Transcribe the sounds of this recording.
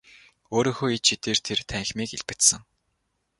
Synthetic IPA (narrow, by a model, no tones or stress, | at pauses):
oːɾiːŋxoːit͡ɕʃit̪eːrt̪ʰert̪ʰæŋxʲmiːkiɮpɘ̆t̪sə̆ŋ